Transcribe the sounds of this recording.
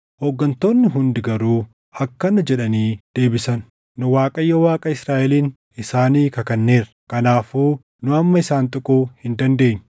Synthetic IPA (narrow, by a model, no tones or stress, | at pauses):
hoːɡːɐnt̪oːnːɪɦʊnd̪ɪɡɐɾuː | ɐkːɐnʊd͡ʒɛᶑɐniːd̪̥e̞ːbɪsɐn | nʊwaːkʼɐjːɐwaːkʼɐɪsɾaːʔɛliːn | ɪsaːniːkɐkɐnːe̞ːɾɐkɐnaːfuː | nʊɐmːɐɪsaːnt̪ʼʊkʼuːhɪnd̪ɐnd̪e̞ːɲː